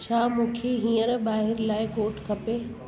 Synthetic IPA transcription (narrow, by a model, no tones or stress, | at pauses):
t͡ɕʰaːmũːkʰeɦĩːəɾbaːɦɪɾlaːɪkoːʈkʰɐpe